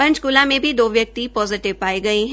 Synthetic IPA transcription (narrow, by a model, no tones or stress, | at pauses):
pɐ̃ɲt͡ʃkʊlãmẽbʱid̪oːʋjɐk̚t̪ipɔːzɪʈɪʋpaːiɡɐiɦɛ̃